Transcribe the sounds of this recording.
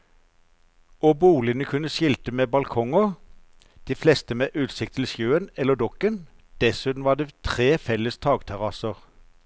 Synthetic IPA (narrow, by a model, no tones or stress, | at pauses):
oːbuːlɪənəkʰʉnəʃɪlt̪əmeːbɑlkʰɔŋɔ | d̪̥iːflɛst̪əmeːʔʉːt̪sɪkt̪ʰɪlsjøːənɛlːəd̪ɔkən | d̪̥ɛsʉːt̪n̩ʋɑːd̪eːt̪ʰʁeːfɛləst̪ʰɑːɡt̪ʰæʁɑsəʁ